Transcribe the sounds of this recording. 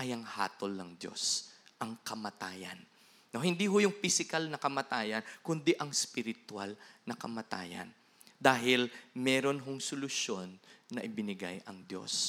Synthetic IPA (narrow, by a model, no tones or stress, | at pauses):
ʔɐjɐŋha̰ːt̪olnɐŋd̪jo̞̰sʔɐŋkɐmɐt̪aːjɐ̰nː | ohɪnd̪iɦʊjʊŋpisɪkalnɐkɐmɐt̪aːjɐnkʊnd̪iʔɐŋspɪɾɪt̪ʊwa̰lnɐkɐmɐt̪a̰ːjɐ̰n | d̪aːɦɪlmɛːɾo̞nɦoŋsʊlʊsjo̞nːɐʔɪbɪnɪɡa̰jʔɐŋd̪jo̞̰s